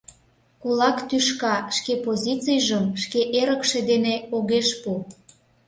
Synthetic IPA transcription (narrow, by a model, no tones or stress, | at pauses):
kulɑkt̪yʃkɑʃkepozʲit͡sijʒəmʃkeʔeɾəkʃed̪eneoɣeʃpu